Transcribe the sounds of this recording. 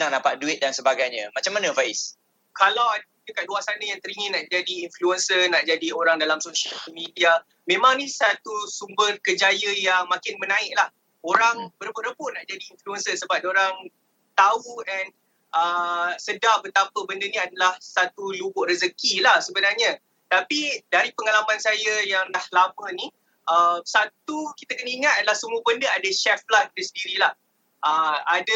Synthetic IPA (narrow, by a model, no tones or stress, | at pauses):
naŋnapat̪̚duɪt̪̚dansəbaɡajɲamat͡ʃamːanəfaɪs | kalawa | d͡ʒəkat̪̚luasanajaŋt̪əɾiŋinaʔd͡ʒadiːnfluənsənaʔd͡ʒadioɾaŋdalamsoʃəlmidia | mẽmãŋnisat̪usumbərkəd͡ʒajəjaŋmãkɪnmənãɪʔ̚lah | oɾaŋbəɾbʊʔɾəbʊʔnaʔd͡ʒadiːnfluənsəsəbap̚doɾaŋ | t̪auɛn | ʔəsədahbət̪apəbəndəniadalahsat̪ulubʊʔrəzəkilahsəbənarɲa | t̪apidaɾipəŋalamansajajaŋnahlamə̃nĩ | ʔəmsat̪ukit̪akənəiŋat̪̚adalahsumbəbəndəadaʃɛflat̪̚t̪usəndiɾilah | ʔəada